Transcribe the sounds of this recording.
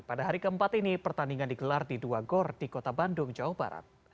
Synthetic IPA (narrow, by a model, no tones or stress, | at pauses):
padaɦaɾikəəmpat̪inipərt̪aniŋandiɡəlardiduaɡɔrdikot̪abandʊŋd͡ʒawohba̰ɾa̰t̪̚